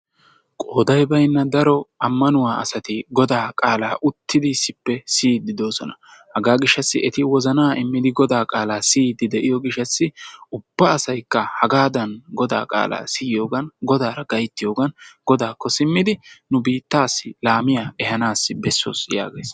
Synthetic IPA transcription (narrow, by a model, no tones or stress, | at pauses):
kʼoːd̪ɐjbɐjnːɐd̪ɐɾɔɐmːɐnʊwaːɐ̰sɐt̪ɪɡɔd̪aːkʼaːlaːʔʊt̪ːɪd̪ɪsɪpːɛsiːd̪ɪd̪o̞ːsɔnɐ̥hɐɡaːɡɪʃːɐsːɪ̰ɛt̪ɪwɔzɐnaːʔɪmːɪd̪ɪɡɔd̪aːkʼaːlaːsiːd̪ɪd̪ɛʔɪjɔɡɪʃːɐsːɪʊb̥ːɐːsɐjkːɐhɐɡaːd̪ɐnɡɔd̪a̰ːkʼa̰ːlʔa̰ːsɪjɪjo̞ːɡɐnɡɔd̪aːɾɐɡɐjt̪ːɪjo̞ːɡɐnɡɔd̪aːkːɔsɪmːɪd̪ɪnʊbiːt̪ːaːsːɪlaːmɪjaːɛhɐnaːsːɪbɛsːo̰ːsja̰ːɡḛːs